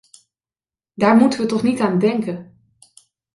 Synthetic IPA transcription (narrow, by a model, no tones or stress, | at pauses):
daːɹmutəʋətɔχnitaːndɛŋkən